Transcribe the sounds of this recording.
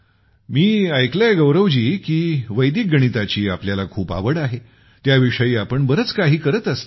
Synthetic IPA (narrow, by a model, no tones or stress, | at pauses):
miːajkljajɡəwɾəʋd͡ʑiːkiːʋəjd̪ik̚ɡəɽ̃it̪at͡ɕiːapljalakʰuːpa̰ʋəɽaɦe | t̪jaʋiʂəjiːapəɳbəɾət͡skaɦiːkəɾət̪əst̪